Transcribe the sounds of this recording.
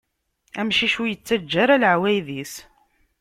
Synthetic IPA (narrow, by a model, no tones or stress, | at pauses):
æmʃiʃujət͡sːæd͡ʒːaɾæləʕwæjðis